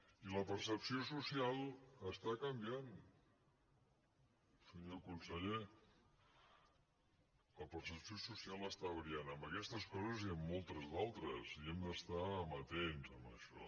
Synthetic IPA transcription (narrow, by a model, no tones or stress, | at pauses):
iləpərsəpsiosusialˠəst̪akəmbian | səɲokunsəʎe | ləpəɾsəpsiosusialˠəst̪aβɾianəmbəkɛst̪əskɔzəziəmːɔlˠt̪əzðalˠt̪ɾəziɛmd̪əst̪amət̪enzəməʃɔ̰